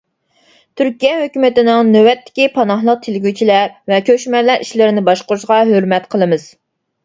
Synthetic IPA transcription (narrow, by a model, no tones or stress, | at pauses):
t̪ʰyɾkʲijɛɦøkʲymɪt̪ɪnɪŋnøwɛt̪ːɪ̥kʲipʰɑnɑhlˠəq̚t̪ʰelɪɡʲyt͡ʃʰilɛɾvɛkʲøʃmɛlːɛɾiʃlɪɾɪnɪbɑʃqʊɾuʃʁɑɦøɾmɛt̪qʰəlˠɨmɨz̥